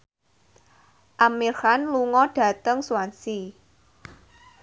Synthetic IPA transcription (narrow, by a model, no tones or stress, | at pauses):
ʔamirhanluŋɔɖ̥ä̤t̪əŋsuwansi